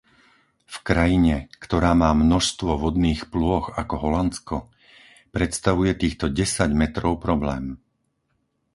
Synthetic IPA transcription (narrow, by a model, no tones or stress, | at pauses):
fkɾajiɲɛkt̪ɔɾaːmaːmnɔʃst̪ʋɔʋɔd̪niːxplʊɔxakɔɦɔlant͡skɔ | pɾɛt̪st̪aʋujɛt̪iːxt̪ɔɟɛsaɟmɛt̪ɾɔʊpɾɔblɛːm